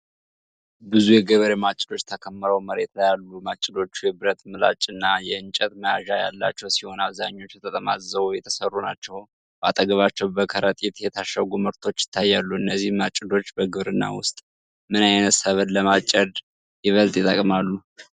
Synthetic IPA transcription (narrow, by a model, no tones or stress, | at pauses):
bɨzujɛɡəβəɾemat͡ʃʼɪlo̞t͡ʃːt̪ʰəkʰəmːɨɾəwməɾet̪lajalːumat͡ʃʼɪlo̞t͡ʃːujɛbɨɾət̪mɨla̰t͡ʃʼɨnːajɛɨnt͡ʃʼət̪məjaʒaja̰lːa̰t͡ʃːɛwsiho̞naβzaɲːo̞t͡ʃːjɛt̪ʼət̪ʼəmazəβjɛt̪ʰə̥sərːunat͡ʃːɛw | ba̰t̪ʼəɡəβat͡ʃːɛwbəkʰəɾət̪ʼit̪jɛt̪ʰaʃəɡuməɾt̪ʰo̞t͡ʃːjɪ̥t̪ʰːajːalːuɨnːəzːihmat͡ʃʼːɪlo̞t͡ʃːbəɡɨβɾɨnːa̰wʊst̪ʼ | mɨnajnəsəβəd̪ləmat͡ʃʼːəd̪ | jɛβəlt̪ʼjɛt̪ʼəkʼmalːu